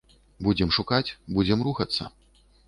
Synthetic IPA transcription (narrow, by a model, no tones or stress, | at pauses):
bud͡zʲɛmʂukat͡sʲbud͡zʲɛmruxɐt̪sːɐ̰